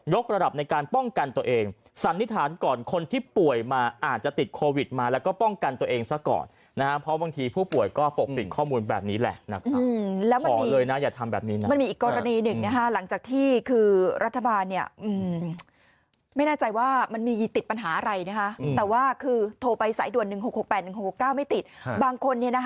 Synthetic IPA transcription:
jo˦˥k̚ɾa˧da˨˩p̚na˧jkaː˧npɔ˥˩ŋka˧nt̪u˧ɐʔeː˧ŋ | sa˨˦nːi˦˥t̪ʰːaː˩˦nkɔː˨˩nkʰo˧nt̪ʰiː˥˩pu˨˩əjmaː˧ʔaː˨˩t̪̚t͡ɕa˨˩t̪i˨˩t̪̚kʰoː˧wi˨˩t̪̚maː˧lɛ˦˥wkɔː˥˩pɔ˥˩ŋka˧nt̪u˧əʔeː˧ŋsa˦˥kɔ̰ː˨˩nːa˦˥kʰa˦˥pʰɾɔ˦˥baː˧ŋt̪ʰiː˧pʰuː˥˩pu˨˩əjkɔː˥˩po˨˩k̚pi˨˩kʰɔː˥˩muː˧nbɛ̰ː˨˩p̚niː˦˥lɛ̰˨˩ʔna˦˥kʰɯ˧lɛː˦˥wma˧ɔː˩mː˦˧lɤː˧jna˦˥jaː˨˩t̪ʰa˧mbɛː˨˩p̚niː˦na˦ma˧nmiː˧ʔːkːɔː˧ɾa˧niː˧nɯ˨˩ŋna˦˥kʰa˦˥la˩˦ŋt͡ɕaː˨˩k̚t̪ʰiː˥˩kʰɯː˧ɾʔa˦˥t̪ʰːa˧baː˧nːi˥˩ɐʔɯː˧˩m | ma˥˩jnaː˥˩t͡ɕa˧jwaː˥˩ma˧nmiː˧t̪i˨˩t̪̚pa˧nɦaː˩˦ʔa˧ɾa˧jna˦˥kʰa˦˥˧t̪ɛː˨˩waː˥˩kʰɯː˧t̪ʰoː˧pa˧jsa̰ː˩˦jdu˨˩ənːɯ˨˩ŋɦo˨˩k̚ho˨˩k̚pɛː˨˩nɯ˨˩ŋho˨˩kho˨˩kːaː˥˩wma˥˩jt̪i˨˩t̪̚baː˧ŋkʰo˧nːi˥˩ɐna˦˥k

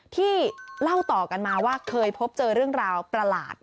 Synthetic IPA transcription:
t̪ʰiː˥˩la˥˩wt̪ɔː˨˩ka˧nmaː˧waː˥˩kʰɤː˧jpʰo˦˥p̚t͡ɕɤː˧ɾɯ˥˩əŋɾaː˧wpɾa˧la̰ː˨˩t̪̚

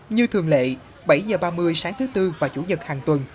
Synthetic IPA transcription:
ɲɨ˧t̪ʰɨ˨˩əŋlḛ˧˨ | ɓə˧˩jzəː˨˩ɓaː˧mɨ˧əjsaː˨˦ŋt̪ʰɨ˨˦t̪ɨ˧vaː˨˩t͡ɕṵ˧˩ɲə˨˩t̚haː˨˩ŋt̪wə˨˩n

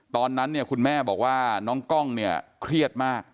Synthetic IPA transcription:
t̪ɔː˧nːa˦˥nːi˥˩əkʰu˧nmɛː˥˩bɔ̰ː˨˩k̚waː˥˩nɔː˦˥ŋkɔ˥˩ŋni˥˩ɐkʰɾi˥˩ət̪̚maː˥˩k̚

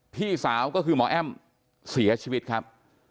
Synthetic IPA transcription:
pʰiː˥˩saː˩˦wkɔː˥˩kʰɯː˧mɔː˩˦ʔɛ˥˩m | si˩˦ɐt͡ɕʰiː˧wi˦˥t̪̚kʰa˦˥p̚

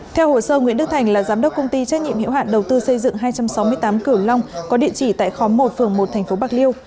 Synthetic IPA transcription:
t̪ʰɛ˧who˧˩səː˧ŋwḭ˧˥nɗk̚t̪ʰa˨˩jŋ̟laː˨˩zaː˨˦mɗwk͡p̚kə˧wŋ͡mt̪i˧t͡ɕɛ˦˥k̚ɲḭ˧˨mhḭ˧˥˨wɦa̰ː˧˨nɗə˨˩wt̪ɨ˧sə˧jzɨ̰˧˨ŋɦaː˧jt͡ɕa˧msa˨˦wmɨ˧əjt̪aː˨˦mkɨ˧˩əwla˧wŋ͡mkɔ˨˦ɗḭ˧˨ət͡ɕi˧˩t̪a̰ː˧˨jxɔ˨˦mo˨˩t̚fɨ˨˩əŋmo˨˩t̚t̪ʰɛ˨˩jŋ̟fo˨˦ɓaː˦˥k̚li˧əw

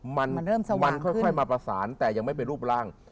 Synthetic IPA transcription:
ma˧nː˥˩˨m˧ma˧nkʰɔ˥˩jkʰɔ˥˩maː˧pɾa˧saː˩˦nt̪ɛː˨˩ja˧ŋma˥˩jp̬e˧nɾuː˥˩p̚ɾaː˥˩ŋ

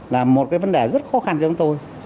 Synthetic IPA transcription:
laː˨˩mːo˨˩t̚kaː˨˦və˧˦nɗe˨˩zə˦˥t̚xɔ˨˦xa˧nt͡ɕːʊ˨˦ŋ͡mt̪o˧j

